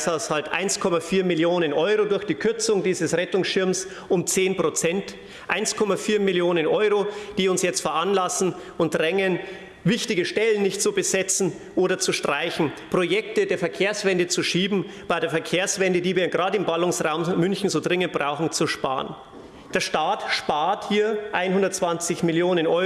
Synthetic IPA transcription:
shaʊshaltʔa̰ɪnskʰɔmafiːɐmɪljoːnənʔɔʏʁodʊɐçd̥iːkʰʏɐt͡sʊŋdiːzəsʁɛtʊŋsʃɪɐms | ʔʊmt͡seːnpʁ̥ot͡sɛnt | ʔaɪnskʰɔmafiːɐmɪljoːnənʔɔʏʁod̥iːʊnsjɛt͡stfɛɐʔanlasn̩ | ʊnt̚dʁɛŋən | vɪçtɪɡəʃtɛlən̩nɪçtt͡subəzɛt͡sn̩ | ʔoːɾɐt͡suʃtʁ̥aɪçn̩pʁ̥ojɛktədeːɐfɛɐkʰeːɐsv̥ɛndət͡suʃiːbm̩b̥aɪdeːɐfɛɐkʰeːɐsv̥ɛndədiːviːɐɡʁaːdəɪmbalʊŋsʁaʊmmʏnçn̩zoːdʁɪŋənt̚b̥ʁaʊxn̩t͡suʃpa̰ːɐən | d̥eːɐʃtaːtʃpaːɐthiːɐʔaɪnhʊndɐtt͡sv̥ant͡sɪçmɪljoːnənʔɔʏ

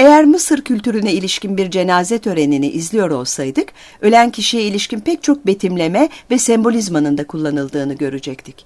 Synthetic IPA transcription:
e̞jæɾmɯsɯɾcʰylʲt̪yɾynɛilʲiʃcinbiɾd͡ʒe̞naːzɛt̪ʰø̞ɾe̞niniʔizlʲijo̞ɾo̞lˠsajd̪ɯk | ø̞lʲæncʰiʃijɛilʲiʃcinpʰɛc̚t͡ʃʰo̞k̚be̞t̪ʰimlʲe̞mɛvɛsɛmbo̞lʲizmanɯnd̪akʰulˠːanɯlˠd̪ɯːnɯɟø̞ɾyd͡ʒɛc̚t̪ʰic

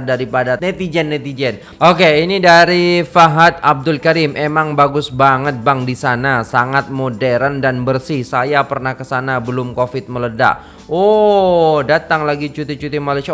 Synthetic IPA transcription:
daɾipadanɛt̪id͡ʒɛnːɛt̪id͡ʒɛn | ok̬einidaɾifaɦat̪̚ab̚dʊlkaɾɪmʔemaŋbaɡʊsbaŋət̪̚baŋdisanasaŋat̪̚modɛɾandanbərsɪhsajapərnahkəsanabəlʊmkofɪt̪̚mələda̰ʔ | o | dat̪aŋlaɡit͡ʃut̪it͡ʃut̪imalaʃia

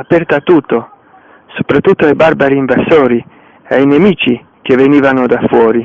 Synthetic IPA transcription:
apɛrt̪at̪ːut̪ːo | so̥pɾat̪ːut̪ːoebarbaɾiiɱvasoːɾi | ejnemiːt͡ʃi | k̟eveniːvanod̪afːwɔːɾi

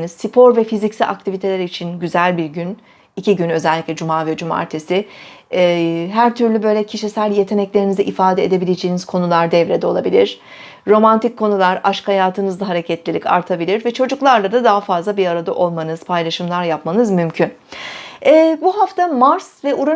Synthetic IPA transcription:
niz̥sipʰo̞ɾvɛfizicsiʔa̰k̚t̪ʰivit̪ʰe̞lʲɛɾit͡ʃʰinɟyzælʲbiɾɟyn | iciɟynø̞zɛlʲːicʲlʲɛd͡ʒumaːvɛd͡ʒuma̰ɾt̪ʰesɪ | ɦæɾt̪ʰyɾlʲybø̞jlʲɛcʰiʃisælʲje̞t̪ʰe̞nɛclʲe̞ɾinizɛʔifaːd̪eed̪e̞bilʲed͡ʒejːniz̥kʰo̞nulˠaɾd̪ɛvɾed̪ɛo̞lˠabilʲiɾ̥ | ɾo̞mant̪ʰicʰːo̞nulˠaɾaʃkhajaːt̪ʰɯnɯzlˠaɦaɾe̞cʰɛt̪lʲilʲicʰa̰ɾt̪ʰabilʲiɾvɛt͡ʃʰo̞d͡ʒuklˠaɾlˠad̪ad̪aɦafazlˠabiɾaɾad̪aʔo̞lˠmanɯz̥pʰajlˠaʃɯmlˠaɾjapmanɯzmymcʰyn | ɛːbuɦaft̪ʰamaɾsvɛuɾa

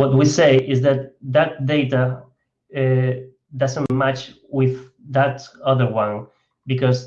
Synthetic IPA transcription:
wʌt̪̚wiseɪʔɪzðæt̪̚ðæt̪̚d̪eɪt̪a | ɛ | d̪ʌzə̃nmat͡ʃ | wɪð | ðətʌðə˞wʌ̃n | bikɔs

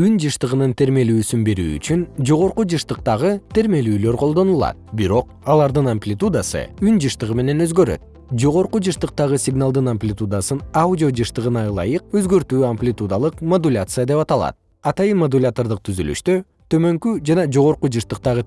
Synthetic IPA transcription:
ynd͡ʒɯʃt̪ɯʁɯnɯnt̪ʰe̞ɾme̞lyːsynbeɾy̰ːy̰t͡ʃynd͡ʒo̞ʁo̞ɾqud͡ʒɯʃt̪ɯqt̪ɑʁɯt̪ʰe̞ɾme̞lyːlø̞ɾqʰo̞lˠd̪o̞nulˠɑ̰t̪̚biɾo̞q | ɑlˠɑɾd̪ɯnampʲlʲɪt̪ud̪asɯ̰ynd͡ʒɯʃt̪ɯʁɯme̞ne̞nø̞zɡø̞ɾø̰t̪̚ | d͡ʒo̞ʁo̞ɾqud͡ʒɯʃt̪ɯq̚t̪ɑʁɯsʲɪɡnalˠd̪ɯnamʲpʲlʲɪt̪ud̪asɯnaudʲiod͡ʒɯʃt̪ɯʁɯnɑlˠɑ̰jɯq̚ø̞zɡø̞ɾt̪yːamplʲɪt̪ud̪alˠɯqmod̪ulʲat̪sɨjad̪e̞pɑt̪ɑlˠɑ̰t̪̚ | ɑt̪ɑjɯnmod̪ulʲat̪ord̪ɯq̚t̪ʰyzyly̰ʃt̪ø | t̪ʰø̞mø̞ŋkyd͡ʒɑnɑd͡ʒo̞ʁo̞ɾqud͡ʒɯʃt̪ɯq̚t̪ɑʁɯ

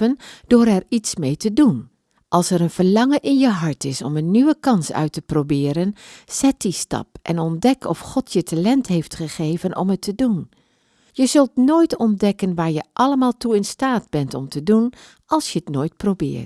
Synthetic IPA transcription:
ənd̥ʊːɾɛɹitsmejtədun | ʔɑlˠsɛɹənv̥əɹlɑŋəʔɪnjəɦɑɹtɪsɔmənːyʋəkɑnsœ̰ɥtəprowbɪːɾənz̥ɛt̚distɑ̰pʔɛ̰nɔndɛkɔfχɔtʰjətalɛntɦeftχəχeːvənʔɔ̰mətʰədun | jəzɵlˠtnoːjtɔndɛkənʋaːɹjəʔɑləmaːlˠtuɪnstaːd̚bɛntɔmtədun | ʔɑlˠsjəətnoːjt̚prowbɪ̰ːɹt

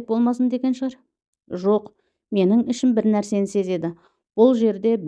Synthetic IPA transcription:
bo̞lˠmɑsənd̪e̞ɡʲe̞nʃəʁɑɾ | ʒo̞q | me̞nɪŋɪʃɪmbɪɾnæɾse̞nɪse̞ze̞d̪ɪ | b̥ʊlˠʒe̞ɾd̪e̞b

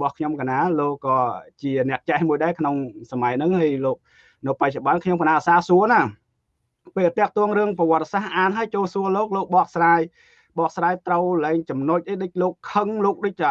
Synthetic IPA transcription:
ɓɑhkʰɲomkanaːloːkːɑːt͡ɕiənɛ̆əʔt͡ɕɛhmuəjɗaɛkʰnoŋsamaɛjnɨŋhajloːk̚ | nɨpac̚t͡ɕoɓɑnŋkʰɲomkanaːʔsaːsuəna | peːlt̪ɛ̆əʔt̪ɔəŋrɨəŋpaʋŏət̪̚ːsahʔaːnɦaəjt͡ɕoːlsuəloːk̚loːk̚ɓɑːʔsraːj | ɓɑːʔsraːjt̪rəwlɛːŋt͡ɕɑmnoc̚ʔəjɗɨc̚loːkʰːəŋloːk̚ɗəc̚ɗa

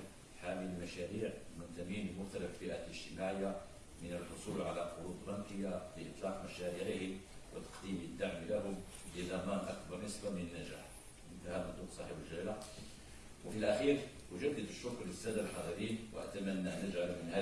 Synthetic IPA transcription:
ħaməlmæʃæɾiːʕmʊnt̪æminmʊxt̪æləfbiʔaləʒ̥t̪əmaʕəjːa | mənəlħosˤulʕalæqʊɾud̪ɾˤɑnk̪əjːafiʔət̪ˤlɑfmæʃæɾiʕihəwʔə̰t̪ɑ̥qd̪iməd̪ːaʕmilæhʊm | bəzæmænʔɑ̰kbɑɾˤnəsbæmənənːæʒæ̰ħ | mənt̪hæmʊt̪ˤuqsˤɑħəbəlʒææla | wəfilʔæxiːɾ | wəʒəd̪ət̪əʃːʊkːləst̪æd̪lħɑd̪ˤiɾinwə̰ʔæ̰t̪æmænːanəʒʕalumənhæ

